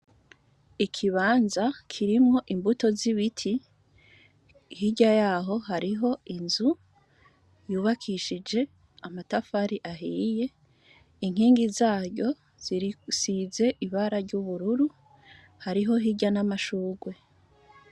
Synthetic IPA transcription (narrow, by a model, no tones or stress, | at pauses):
ikʰiβaːnzakʰiɾimŋo̞ʔimbuto̞ziβitʰi | hiɟajaːɦo̞ɦaɾiɦo̞inzu | juːβakʰiʃid͡ʒe̞ | amatafaɾiʔaɦiːje̞ | iŋ̥hiːŋɡizaːɾɟo̞ | z̥iɾisize̞ʔiβaɾaɾɟuβuɾuɾu | haɾiɦo̞ɦiɟanamaʃuːɡwe̞